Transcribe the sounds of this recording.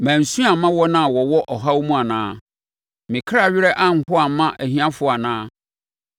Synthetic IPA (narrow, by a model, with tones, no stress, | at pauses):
mæ̃˨n̩˨sũ˦a˨mã˦wɔ˦nã˦˨wɔ˨wɔ˦ʔɔ˨ɦa˦wmũ˦a˨nãː˦ | mɪ̃˨kʰɾa˨ɥɪ˦ɾɛ˦ʔã˦ŋ̩˦hʊ˦a˨mã˦ʔæ˨hĩ˦ã˦fʊ˨a˨nãː˦